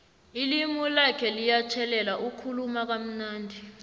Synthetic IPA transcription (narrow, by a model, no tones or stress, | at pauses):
ilimulakʰɛlijat͡ʃʰɛlɛlaʔukʰulumak̬am̩naːndʱi